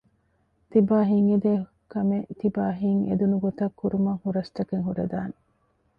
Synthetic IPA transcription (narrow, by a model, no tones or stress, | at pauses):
t̪ibaːɦiŋed̪eː | kɐmet̪ibaːɦiŋḛd̪unuɡot̪ɐkːuɾumɐŋhuɾɐst̪ɐkeŋɦuɾḛd̪a̰ːne